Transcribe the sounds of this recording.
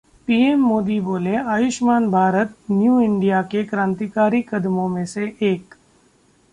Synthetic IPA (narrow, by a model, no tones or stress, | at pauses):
piːemːoːd̪iboːleaːjʊʃmaːnbʱaːɾət̪njuːɪ̃ɳɖijakekɾãːnt̪ikaːɾikɐd̪mõmẽseʔeːk